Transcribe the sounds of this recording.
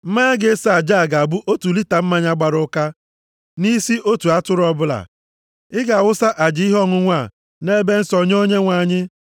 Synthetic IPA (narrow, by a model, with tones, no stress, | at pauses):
m̩˦ma˦ɡe˦sa˨d͡ʒa˦˨ɡa˨bu˦ʔo˦tu˨li˦ta˨m̩˦ma˦ɲa˦ɡ͡ba˨ɾʊ˦ka˦ | ni˦si˦ʔo˦tu˨a˦tʊ˦ɾɔ˦bʊ˦la̰˨ | ɪ˦ɡa˨wʊ˦sa˦ʔa˨d͡ʒi˦i˦ɦɔ˦ŋʊ˦ŋʷa˦˨ | ne˦be˦n̩˦sɔ˨ɲ˦o˦ɲe˦ŋʷa˨ɲɪ˦